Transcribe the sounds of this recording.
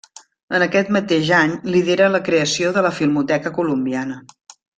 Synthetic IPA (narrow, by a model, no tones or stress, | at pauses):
ənəkɛt̪mət̪eʒaɲliðeɾələkɾeəsioðələfilˠmut̪ɛkəkulumbianə